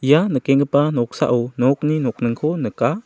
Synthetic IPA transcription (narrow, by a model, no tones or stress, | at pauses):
janəkɛŋəpanɔk̚sa̰ʔunɔk̚ninɔk̚nɯŋkʰɔnəka